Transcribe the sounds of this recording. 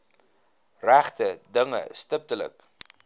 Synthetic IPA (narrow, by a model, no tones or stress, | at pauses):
ræχtədəŋə̰stəp̚tələ̰k